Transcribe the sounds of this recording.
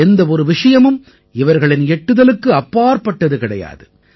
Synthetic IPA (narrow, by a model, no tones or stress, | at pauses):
ɛnd̪ɐɔɾɯʋɪʂɐjɐmɯm | ɪʋɐɾɣɐɭɪnɛʈːɯðɐlɯkːɯɐpːaːɾpɐʈːɐðɯkɪɽɐja̰ːðɯ